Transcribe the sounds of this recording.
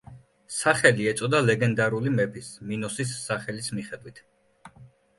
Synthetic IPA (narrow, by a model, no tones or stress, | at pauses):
saχɛliɛt̪sʼɔd̪alɛɡɛnd̪aɾulimɛpʰisminusisːaχɛlismiχɛd̪wit̪ʰ